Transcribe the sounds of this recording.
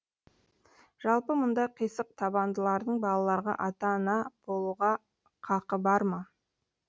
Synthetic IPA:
ʒ̥ɑlˠpəmʊnd̪ɑqʰijsəq̚t̪ʰɑbɑnd̪əlˠɑɾd̪əɴbɑlˠɑlˠɑɾʁɑ̰ʔɑt̪ɑnɑb̥o̞lˠuʁɑ | qʰɑqəbɑɾmɑ

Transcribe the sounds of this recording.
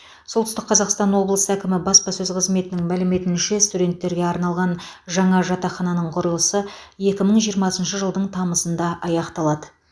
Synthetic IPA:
solˠt̪ʏst̪ɪqʰːɑzɑqst̪ɑnwo̞blˠəsəækʲɪmɪbɑspɑsɵzqʰəzme̞t̪ɪnɪŋmælɪme̞t̪ɪnʃe̞st̪ud̪e̞nt̪ːe̞ɾɡʲe̞ɑɾnɑlˠʁɑnʒɑɴɑʒɑt̪ɑχɑnɑnəɴqʰʊɾəlˠəsə | je̞kʲɪməɴʒijəɾmɑsənʃəʒəlˠd̪əɴt̪ʰɑməsənd̪ɑʔɑjɑqt̪ɑlˠɑd̪ə

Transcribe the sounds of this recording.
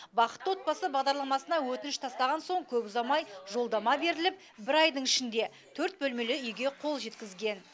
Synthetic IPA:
bɑqə̥t̪wo̞t̪̚pɑsəbɑʁd̪ɑɾlˠɑmɑsənɑwɵt̪ɪnɪʃt̪ʰɑst̪ɑʁɑnso̞ɴkʲʰɵpʊzɑmɑjʒo̞lˠd̪ɑmɑbe̞ɾɪlɪp̚ | bɪɾɑjd̪əɴɪʃɪnd̪e̞ | t̪ʰɵɾt̪̚bɵlme̞lɪʏjɡʲe̞qʰo̞lˠʒe̞t̪kʲɪzɡʲe̞n

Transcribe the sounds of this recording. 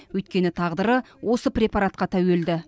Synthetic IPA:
wɵjt̪kʲe̞nɪt̪ʰɑʁd̪əɾə | wo̞səprʲe̞pɑɾat̪̚qɑt̪ʰæweld̪ɪ

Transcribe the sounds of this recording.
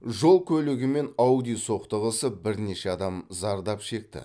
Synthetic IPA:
ʒo̞lˠkʲʰɵlɪɡʲɪme̞nɑwd̪ijso̞qt̪əʁəsəbɪɾne̞ʃeɑd̪ɑmzɑɾd̪ɑpʃe̞k̚t̪ɪ̰

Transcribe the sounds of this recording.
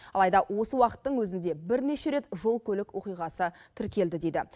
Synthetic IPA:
ɑlˠɑjd̪ɑwo̞səwɑqə̥t̪ːəɴwɵzɪnd̪e̞bɪɾne̞ʃe̞ɾe̞t̪ʒo̞lˠkʲʰɵlɪkwo̞qijʁɑsət̪ʰɪɾkʲʰe̞ld̪ɪd̪e̞d̪ɪ̰

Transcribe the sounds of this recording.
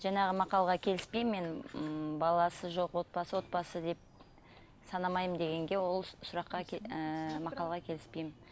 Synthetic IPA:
ʒɑɴɑʁəmɑqɑlˠʁɑkʲʰe̞lɪspejmːe̞nbɑlˠɑsəʒo̞qwo̞t̪̚bɑsəwo̞t̪̚bɑsəd̪e̞p̚ | sɑnɑmɑjmd̪e̞ɡʲe̞ŋɡʲe̞wo̞lˠsʊɾɑqːɑəmɑqɑlˠʁɑkʲʰe̞lɪspe̞jmɪn

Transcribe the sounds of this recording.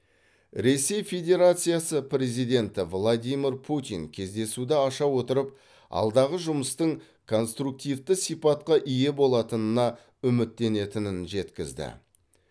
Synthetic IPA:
ɾe̞se̞jfe̞d̪ʲe̞ɾat̪sɨjasəpʰɾʲe̞zijd̪ʲe̞nt̪ɪvlˠad̪ʲijmʲirpʰut̪ḭŋkʲʰe̞zd̪e̞sud̪ɪɑʃɑwo̞t̪əɾəp̚ | ɑ̰lˠd̪ɑʁəʒʊməst̪əɴ | kʰo̞nst̪ɾuk̚t̪ijvt̪ɪsipɑt̪qɑʔije̞bo̞lˠɑt̪ənənɑ | ʏmɪt̪ːe̞ne̞t̪ɪnɪnʒe̞t̪kʲɪzd̪ɪ̰

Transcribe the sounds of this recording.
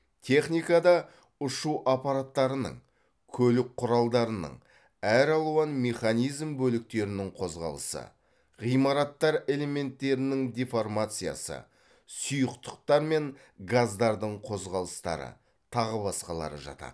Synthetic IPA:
t̪ʲʰe̞χnijkɑd̪ɑ | ʊʃuʔɑpɑɾat̪ːɑɾənə̰ɴ | kʲʰɵlɪk̚qʰʊɾɑlˠd̪ɑɾənə̰ɴ | æɾɑlˠuɑnme̞χanijzmbɵlɪk̚t̪e̞ɾɪnɪŋqʰo̞zʁɑ̰lˠə̰sə̰ | ʁijmɑɾɑt̪ːɑɾe̞le̞me̞nt̪ːe̞ɾɪnɪŋd̪iformat̪sɨja̰sə̰ | sujəqt̪ə̥q̚t̪ɑɾme̞ŋ | ɡazd̪ɑɾd̪əɴqʰo̞zʁɑlˠəst̪ɑ̰ɾə̰ | t̪ʰɑʁəbɑsqɑlˠɑ̰ɾə̰ʒɑ̰t̪ɑ̰d̪ə

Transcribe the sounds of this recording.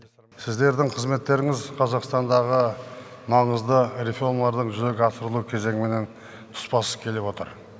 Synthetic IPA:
sɪzd̪e̞ɾd̪ɪŋqʰəzme̞t̪ːe̞ɾɪŋɪzqʰɑzɑqst̪ɑnd̪ɑʁəmɑɴəzd̪əɾefoɾmlˠɑɾd̪əɴʒʏze̞ɡʲɪɑsəɾəlˠukʲʰe̞ze̞ŋɪme̞ne̞n | t̪ʰʊ̥spɑsə̥kʲʰe̞lewo̞t̪ə̰ɾ

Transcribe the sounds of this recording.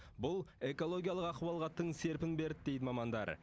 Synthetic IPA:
bʊlˠe̞ko̞lˠo̞ɡʲijalˠəqɑqwɑlˠʁɑt̪ːəɴse̞ɾpɪnbe̞ɾd̪ɪd̪e̞jd̪ɪmɑmɑnd̪ɑ̰ɾ

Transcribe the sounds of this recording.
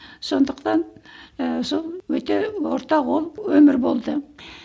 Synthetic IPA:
so̞nd̪əqt̪ɑn | solˠwɵt̪e̞woɾt̪ɑqwolˠwɵmɪɾbo̞lˠd̪ə

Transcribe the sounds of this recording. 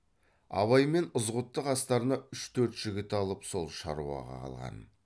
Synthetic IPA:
ɑ̰βɑjme̞nʊzʁʊt̪ːəqɑst̪ɑɾənɑʏʃt̪ʰɵɾt̪ʒ̥ɪɡʲɪt̪ɑlˠəpso̞lˠʃɑ̰ɾuɑ̰ʁɑ̰qʰɑ̰lˠʁɑ̰n

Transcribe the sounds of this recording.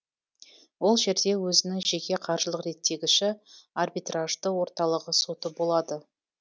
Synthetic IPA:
wo̞lˠʒe̞ɾd̪e̞wɵzɪnɪŋʒe̞kʲe̞qʰɑɾʒəlˠəqɾe̞t̪ːe̞ɡʲɪʃɪarbijt̪raʒd̪əwo̞ɾt̪ɑlˠəʁəso̞t̪əbo̞lˠɑd̪ə

